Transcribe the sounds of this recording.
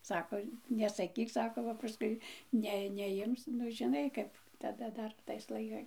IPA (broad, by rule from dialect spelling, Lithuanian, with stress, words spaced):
ˈsɑːkoː nʲɛsɐˈkʲiːk ˈsɑːkoː bɐ pɐˈskʊɪ ˈnʲɛ nʲɛˈjɪms nʊ ʒʲɪˈnɐɪ kɐp tɐˈdɐ ˈdɐr tɐɪs lˠɐɪˈkɐɪ